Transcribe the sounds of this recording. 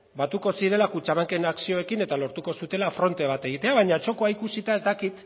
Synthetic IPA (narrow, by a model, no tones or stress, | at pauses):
bat̪uko̞siɾe̞lakut͡ʃaβaŋke̞naksio̞e̞kine̞t̪alo̞ɾt̪uko̞sut̪e̞lafɾo̞nt̪e̞β̞at̪e̞ɣit̪e̞aβaɲat͡ʃo̞ko̞aikusit̪ae̞zt̪akit̪